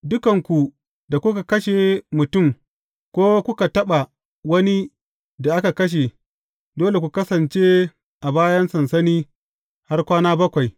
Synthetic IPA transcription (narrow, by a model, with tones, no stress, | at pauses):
dʊ˦kɐ˨ŋkʷu˨ | da˨kʷʊ˦ka˨kɐ˦ʃe˨mʊ˨tʊ˦˨m | kʷoː˦kʷʊ˦ka˨tɐ˦ɓa˨ | wɐ˦ni˦ | da˨ʔa˦ka˨kɐ˦ʃ̬e˨ | doː˦le˨kʷu˨kɐ˦sɐ˨nt͡ʃeː˦ | ʔa˨baː˦jɐ˦nsɐ˨nsɐ˦niː˦ | ha˦rkʷaː˦naː˦bɐ˦kʷa˨j